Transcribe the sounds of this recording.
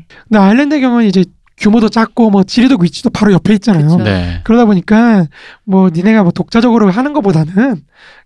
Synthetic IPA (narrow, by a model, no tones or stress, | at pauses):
kɯndeaiɭːendeɡjʌŋuid͡ʑe̞ | kjumodot͡ɕ͈ak͈omwʌt͡ɕiɾidoɡit͡ɕʰi̥d̥opaɾojʌpʰeit̚t͡ɕ͈anajonḛkɯɾʌdaboɲik͈amwʌnine̞ɡamwʌtok̚t͡ɕ͈ad͡ʑʌɡɯɾoɦanɯnɡʌp͈odanɯn